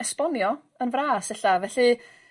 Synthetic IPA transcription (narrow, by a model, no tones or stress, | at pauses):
ɛspɔnjɔ | ənvraːsɛɬavɛɬɨ